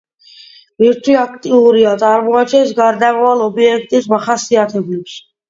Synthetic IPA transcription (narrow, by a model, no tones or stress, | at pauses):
viɾt̪ʰwiakʰt̪ʼiuɾiat̪sʼaɾmɔat͡ʃʰɛnsɡaɾd̪amɔwalɔbiɛk̚ʰt̪ʼismaχasiat̪ʰɛbɛps